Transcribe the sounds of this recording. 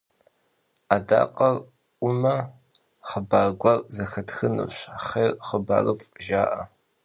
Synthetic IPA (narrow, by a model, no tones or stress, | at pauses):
aːda̰ːqʼɐr | ʔʷʊmɐ | χəbaːɡʷɐrzɐxɐtxɨnɨ̰ɕaχeːrχəba̰ːrɨfʒaːʔɐ